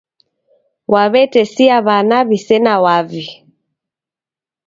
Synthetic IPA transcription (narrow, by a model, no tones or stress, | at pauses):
wʔaβɛtɛsiaβanaβisɛnawavi